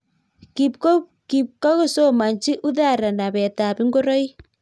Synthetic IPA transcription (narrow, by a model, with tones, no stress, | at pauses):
ki | ki˨p̚ka˦ɣo˦˨so˦ma˨nt͡ʃi˦ʔu˦ða˦˨ɾa˨na˨βɛ˨ta˨βi˦ŋɡo˦ɾɔ˦i˦